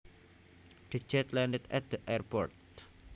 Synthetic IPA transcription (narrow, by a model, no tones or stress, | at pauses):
d̥id͡ʒɛt̪lɛndɛt̪ɛt̪̚d̪̥əʔɛrpɔ̰rt̪̚